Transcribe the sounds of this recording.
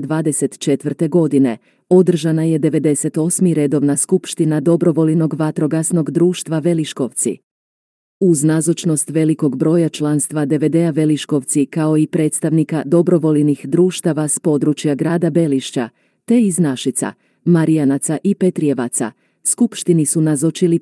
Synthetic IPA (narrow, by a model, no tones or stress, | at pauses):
d̪ʋaːd̪e̞se̞t̪t͡ʃe̞t̪ʋrt̪e̞ɡo̞d̪ine̞ | o̞d̪r̩ʒanaje̞d̪e̞ʋe̞d̪e̞se̞t̪o̞smiɾe̞d̪o̞ʋnaskupʃt̪inad̪o̞bɾo̞ʋo̞lino̞ɡʋat̪ɾo̞ɡasno̞ɡd̪ɾuːʃt̪ʋaʋe̞liʃko̞ʋt̪sḭ | uznazot͡ʃno̞st̪ʋe̞liko̞ɡbɾo̞ːjat͡ʃlˠanst̪ʋad̪e̞ʋe̞d̪eaʋe̞liʃko̞ʋt̪sikao̞ipɾe̞ːt̪st̪aʋnikad̪o̞bɾoʋo̞lnixd̪ɾuːʃt̪aʋaspo̞d̪ɾut͡ʃjaɡɾaːd̪abe̞liʃt͡ɕa̰ | t̪e̞iznaʃit̪sa̰ | maɾijanat̪saʔipe̞t̪ɾie̞ʋa̰t̪sa̰ | skupʃt̪inisunazot͡ʃili